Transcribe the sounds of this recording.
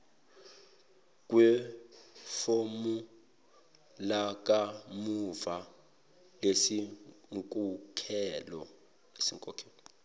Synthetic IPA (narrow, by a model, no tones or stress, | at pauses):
k̬ʼwɛ | fomu | lak̬ʼamuva | lesiŋkʼukʰɛlɔ̰ | esiŋkʼɔkʰɛːlɔ